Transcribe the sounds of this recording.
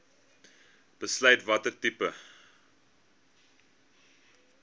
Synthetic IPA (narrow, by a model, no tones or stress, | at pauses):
b̥əslɐjtvɐtətipə